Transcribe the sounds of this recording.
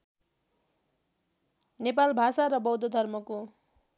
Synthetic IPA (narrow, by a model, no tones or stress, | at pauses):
nepalbʱasaɾʌbʌwd̪ʱod̪ʱʌrmʌko